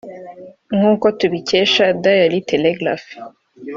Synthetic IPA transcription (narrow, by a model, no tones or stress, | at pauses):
ŋuːkotuβiceʃadajaliteleɡɾa̰f